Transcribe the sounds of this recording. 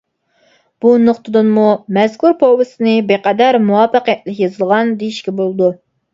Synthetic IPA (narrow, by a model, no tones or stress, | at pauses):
b̥unoχt̪ʰɨd̪ɨnmumɛzkʰuɾpʰowɨsɨnɨbeqɛd̪æɾmuwɑpːəqɛt̪lɪkʲjɑzɨlˠʁɑnd̪ejiʃkʲɛbolˠɨd̪u